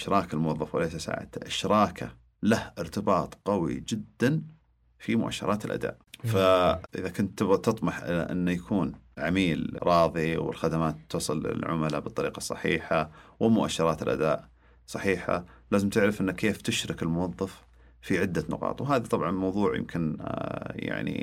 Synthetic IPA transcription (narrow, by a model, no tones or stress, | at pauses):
ʃɾˤʔɑːkalmʊwɑðˤːɑfwʔɪ̰leʃasa̰ːʕa̰d̪a̰ʔɪʃɾˤɑːkʰa̰ | lahʔɪɾt̪ɪbɑːt̪ˤqɑwḭd͡ʒɪd̪ːan | fimʊʔa̰ʃːɑ̰ɾˤɑːt̪ɪlʔa̰d̪a̰ːʔfaʔɪðakʊnt̪ːt̪ːɨt̪ˤmɑħʔɪ̰a̰ʔɪ̰nːajakʰuːnʕamiːlɾˤɑːðˤiwɪ̰lxad̪amaːt̪ːusˤɨlɪ̰lʕʊ̰malabɨt̪ˤːɑɾiːqɑsˤːɑ̰ħḭːħawʔɪmʊʔaʃːɑɾˤɑːt̪ɪlʔa̰d̪aːʔ | sˤɑħiːħa̰laːzɪmt̪ɪʕɾɪfʔɪnːakʰːeːft̪ɪʃɾˤɑkɪlmʊwɑðˤːɑf | fiʕɪd̪ːanʊ̰qɑ̰ːt̪ˤwɦaːðit̪ˤɑbʕɑnmɑwðˤuːʕjɪ̰mkʰɪn | ja̰ʕnḭ